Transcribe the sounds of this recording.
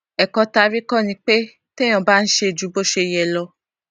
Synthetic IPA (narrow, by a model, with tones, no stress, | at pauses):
ɛ˨kɔ˧ta˧ɾi˦kɔ̃˦˨nĩ˧k͡pe˦ | te˦j̃ɔ̃˨ba˦n̩˦ʃe˧˨d͡ʒu˨˦bo˦˨ʃe˧˨jɛ˨lɔ˧